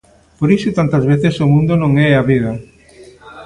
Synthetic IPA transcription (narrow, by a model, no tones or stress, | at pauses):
poɾisʊt̪ant̪ɐzβeθesomũnd̪onõŋɛɐβiðɐ